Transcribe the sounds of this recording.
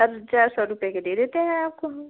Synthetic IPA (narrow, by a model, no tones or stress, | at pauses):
əɾt͡ʃaːɾsɔɾʊpjaked̪eːd̪eːt̪eɦɛ̃aːp̚koɦm